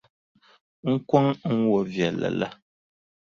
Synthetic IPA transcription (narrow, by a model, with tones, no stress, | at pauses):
ŋ̩˦kwa˦ŋ˦ŋ̩˦wɔ˨vjɛ˨la̰˨la̰˦